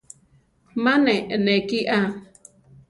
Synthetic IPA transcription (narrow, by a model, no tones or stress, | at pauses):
mãnẽʔnẽkiʔa